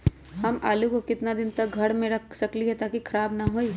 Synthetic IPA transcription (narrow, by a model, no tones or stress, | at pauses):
ɦɐmʔaːlukokɪt̪nad̪ɪnt̪ɐk̚ɡʱɐɽmẽɾɐkʰsɐkliɦɛt̪aːkikʰɐɾaːbnɐɦoːiː